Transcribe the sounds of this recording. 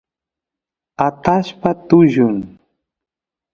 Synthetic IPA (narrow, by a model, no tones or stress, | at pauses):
at̪aʃpat̪ʊʒʊŋ